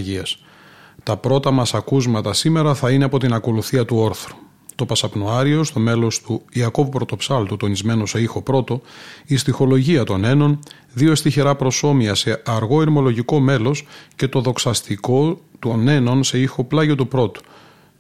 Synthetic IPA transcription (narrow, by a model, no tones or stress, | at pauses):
ʝiɐs | t̪ɐpɾo̞t̪ɐmɐsɐkuzmɐt̪ɐsime̞ɾɐθɐine̞ɐpo̞t̪inɐko̞luθiɐt̪uo̞ɾθɾu̥ | t̪o̞pɐsɐpnoɐɾio̞st̪o̞me̞lo̞st̪uiɐko̞vupɾo̞t̪o̞psɐlt̪ut̪o̞nizme̞no̞se̞ixo̞pɾo̞t̪o̞ist̪ixo̞lo̞ʝiɐt̪o̞ne̞no̞n | ðio̞st̪içeɾɐpɾo̞so̞miɐse̞ɐɾɣo̞iɾmo̞lo̞ʝiko̞me̞lo̞sce̞t̪o̞ðo̞ksɐst̪iko̞t̪une̞no̞nse̞ixo̞plɐʝo̞t̪upɾo̞t̪u̥